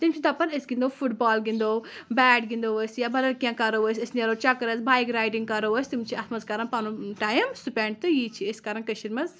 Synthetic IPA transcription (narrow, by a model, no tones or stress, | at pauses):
t̪imt͡ʃʰit̪ɐpɐɾesɡĩnd̪oːfuʈbɔːlɡĩnd̪oːbɛːɖɡĩnd̪oʋəsjabɐlɐlkʲjãːkɐɾoʋəsʲɐsniɐɾot͡ʃɐkɾɐzbaːjikɾaːjʈĩŋɡkɐɾoʋəsʲt̪imt͡ʃʰiɐsmɐzkɐɾɐnpanuʈaːjmsupeɳɖ̚t̪ɨjiːt͡ʃʰieskaɾɐnkɐʃiɾmɐz